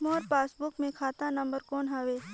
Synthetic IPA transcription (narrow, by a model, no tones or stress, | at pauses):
mɔːɾpaːsbʊkmẽkʰaːt̪anɐ̃mbəɾkɔːnɦɐʋeː